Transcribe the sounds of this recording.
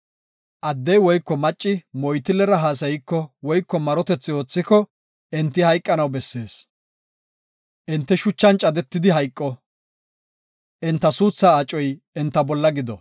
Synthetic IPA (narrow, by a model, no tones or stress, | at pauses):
ʔɐd̪ːɛjwɔjkːɔmɐt͡ʃʼːɪmɔjt̪ɪlɛɾɐɦaːs̬ɐjɪkːɔwɔjkːɔmɐɾɔt̪ɛt͡sːɪo̞ːt͡sːɪkɔ | ɪnt̪ːɪhɐjkʼːɐnɐwbɛsːe̞ːs | ʔɪnt̪ːɛʃʊt͡ʃːɐnt͡ʃʼɐd̪ɛt̪ːɪd̪ɪɦɐjkʼːɔ | ʔɪnt̪ːɐsuːt͡sːaːt͡ʃʼːɔj | ɛnt̪ːɐbɔlːɐɡɪd̪ɔ